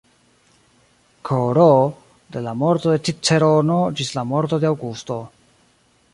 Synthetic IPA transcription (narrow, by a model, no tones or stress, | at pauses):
kʰoɾo | de̞lamo̞ɾto̞de̞t̪it͡seɾono̞d͡ʒislamo̞ɾto̞deawɡusto̞